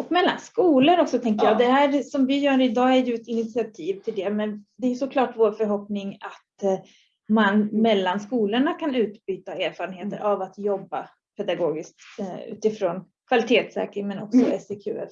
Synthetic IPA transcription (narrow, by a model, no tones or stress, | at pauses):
ɔkmɛlːa̰nskuːləɾɔksɔt̪ʰɛŋk̬əɾjɑːd̪ɛɦæːɾsɔmvɪjœːɾɪd̪ɑːæɾjɵɛt̪ɪnɪt̪sɪat̪ʰiːvt̪ʰɪld̪ɛmɛnd̪ɛæːjɵsɔkʰlɑːʈvoːɾfœɾɦɔpnɪŋat̪ | manmɛlːanskuːləɳakʰanʉ̟ːt̪byːt̪aeːɾfɑːɾənheːt̪ə̰ɾʔavat̪jɔbːa̰ | pʰɛd̪aɡoːɡɪskt̪ʉ̰ːt̪ɪfɾoːn | kʰvalɪt̪ʰeːt̪sɛ̰ːkəɾɪmɛnɔ̰ksɔɛsɛkʰʉ̰ːɛ̰f